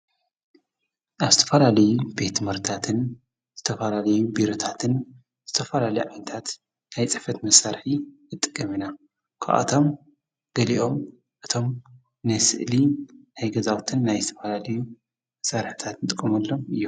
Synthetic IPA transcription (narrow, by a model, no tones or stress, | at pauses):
ʔaβzɨt̪ʰɐ̥fɐlalɐjube̞t̪mɐɾt̪ʰat̪ʰɨn | z̥ɨt̪ʰɐfɐlalɐjubiɾo̞t̪ʰat̪ʰɨn | z̥ɨt̪ʰɐfɐlalɐjuʕajnɐt̪ʰat̪ | najt͡sʼɨfɐt̪mɐsaɾħi | ɨt̪ʼːɨkʼːɐmina | kʰa̰ʔa̰t̪ʰo̞m | ɡ̥ɐliʔo̞m | ʔɨt̪ʰo̞m | nɨsɨ̰ʔlinajɡɐzawt̪ʰɨnːajzɨt̪ʰɐ̥fɐlalɐju | mɐsaɾħi̥t̪ʰat̪nɨt̪ʼɨkʼːɐmɐlːo̞mɨjːum